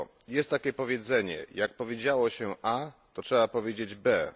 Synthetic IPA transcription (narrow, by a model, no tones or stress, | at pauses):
jɛst̪ːakʲɛpɔvʲjed̪zɛɲɛ̰jak̚pɔvʲjed͡ʑawɔɕɛʔat̪ɔtʂɛbapɔvʲjed͡ʑed͡ʑbɛ